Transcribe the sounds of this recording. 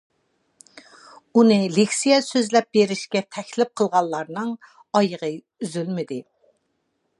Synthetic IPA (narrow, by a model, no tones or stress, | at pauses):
unɨlekʲsijɛsøzlɛp̚beɾɪʃkʲɛt̪ʰɛkʲlɪp̚qʰəlˠʁɑlˠlːˠɑɾnɨŋ | ɑjəʁə | yzylmɪd̪ɪ